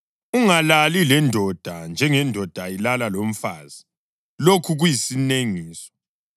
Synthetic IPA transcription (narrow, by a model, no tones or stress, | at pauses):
uŋalalilɛndʱɔd̥ʱand͡ʒʱɛŋɛndʱɔd̥ʱailalalom̩faːzi | lokʰuɣujisineŋiːsɔ̥